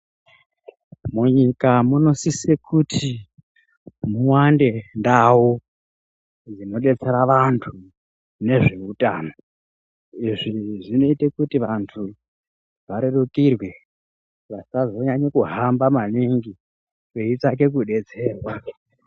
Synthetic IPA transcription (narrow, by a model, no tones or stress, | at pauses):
muɲikamuno̞sisekutʰi | muwande̞ndawo | d͡zino̞ɗe̞t͡se̞ɾaʋantʰu | ne̞ʐe̞utʼaːno̞ | iʐiʐino̞itekutiʋantʰu | ʋaɾe̞ɗukirwe̞ | ʋasazo̞ɲaɲekuɦambamaniŋɡi | weit͡sak̬e̞k̬uɗe̞d͡ze̞ːrwa